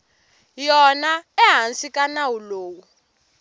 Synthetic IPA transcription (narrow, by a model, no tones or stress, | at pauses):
jɔnaɛɦansikʼanawuloːwu